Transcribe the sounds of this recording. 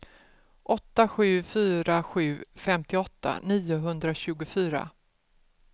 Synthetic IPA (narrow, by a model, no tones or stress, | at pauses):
ʔɔt̪ːaɧʉ̟ːfyːɾaɧʉ̟ːfɛmt̪ʰɪɔt̪ːa̰niːʊɦɵnd̪ɾaɕʉ̟ːɡʊfyːɾa̰